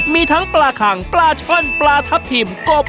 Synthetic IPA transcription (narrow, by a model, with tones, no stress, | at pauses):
miː˧t̪ʰa˦˥ŋplaː˧kʰa˩˦ŋplaː˧t͡ɕʰɔ˥˨nplaː˧t̪ʰa˦˥pʰi˨˩mko˨˩p̚